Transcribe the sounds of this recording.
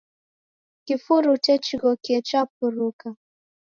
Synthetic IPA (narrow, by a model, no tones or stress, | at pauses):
kifuɾutɛt͡ʃiɣɔkɛt͡ʃapuɾuka